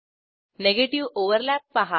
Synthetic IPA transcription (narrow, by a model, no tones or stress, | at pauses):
neɡeʈiʋoʋəɾlæpːaɦa